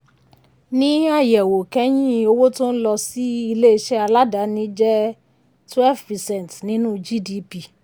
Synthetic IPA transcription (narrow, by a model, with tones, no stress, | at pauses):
nĩ˦a˦˨jɛ˨wo˨kɛ˦j̃ĩ˦o˧wo˦to˦n̩˦lɔ˧si˦i˧le˦˧ʃɛ˦a˧la˦da˨˦nĩ˨˦d͡ʒɛ˦ | twɛ˦˨fɾi˨sɛ̃˨n˨tnĩ˨˦nũ˦d͡ʒi˦di˧˦pi˨